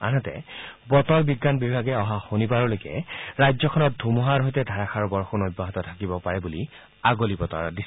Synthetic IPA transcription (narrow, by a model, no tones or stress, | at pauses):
a̰nɔtɛ̰bɔtɔɹbiɡːanbibʱaɡɛɔɦaxonibaɹɔlojkɛ̰ɹajd͡ʒzɔkʰɔnɔt̚dʱumɔɦaɹɦojtɛdʱaɹakʰaɹbɔɹxunojbʱːaɦɔtɔtʰakibɔpaɹɛbuli | aɡolibɔtɔ̰ɹdis